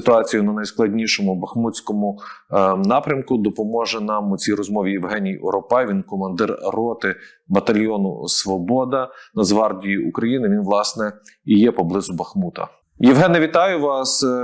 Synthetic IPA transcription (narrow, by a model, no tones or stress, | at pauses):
ɪ̥t̪ʊɑt͡sʲijʊnɐnɐjsklˠɐdʲnʲiʃɔmʊbɐxmut͡sʲkɔmʊ | nɑpɾʲɐmkʊd̪ɔpɔmɔʒɛnɑmʊt͡sʲijɾɔzmɔʋʲijɛwɦɛnʲijɔ̰ɾɔpɑjʋʲinkɔmɐnd̪ɪrrɔt̪ɪ | bɐt̪ɐlʲjɔnʊ̰sʋɔbɔd̪ɐnɐzʋɑrdʲiiukɾɐjinɪʋʲinʋlˠɑsnɛ | ijɛpɔblˠɪzʊbɐxmut̪ɐ̰ | jɛʋɦɛnɛʋʲit̪ɑjʊʋɑs